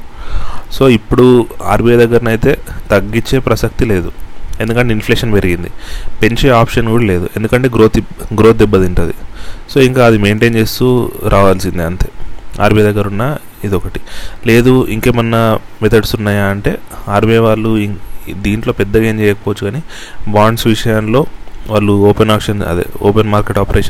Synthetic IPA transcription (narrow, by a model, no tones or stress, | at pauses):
so̞ːipːuɽua̰ːɾbed̪ɐɡːɐɾnɐjt̪e̞ːt̪ɐɡːiɲt͡ʃːe̞ːpɾɐsɐk̚t̪ile̞ːd̪ue̞nd̪ukɐɳʈeinfleːʂɐnpe̞ɾiɡind̪ḭpe̞ɲt͡ʃeːaːpʂɐnkuːɽɐle̞ːd̪ṵʔe̞nd̪ukɐɳʈe̞ːɡɾo̞ːt̪iɡɾoːt̪̚d̪ɛbːɐd̪iɳʈond̪ḭso̞ːiŋkaːɐd̪ime̞ːɳʈe̞ːnt͡ʃe̞ːst̪uɾʔaːʋaːlsind̪iɐnt̪eːa̰ːɾmid̪ɐɡːɐɾunːaː | id̪ɔkɐʈi̥le̞ːd̪uiŋke̞ːmɐnːɐmɛt̪ʰɐɽsunːaːjaːɐɳʈe̞̰ːaːɾbeʋaːɭːud̪iːɳʈlo̞ːpɛd̪ːɐɡeːmt͡ʃɛːjɐkɐpɔːʋɐt͡ʃːuɡaːni | baːɳɖsʋiʂɐjɐnlo̞ːʋaːɭːuoːpenaːpʂɐnɐ̰d̪ḛo̰ːpenmaːɾke̞ʈaːpɐɾeːʂɐ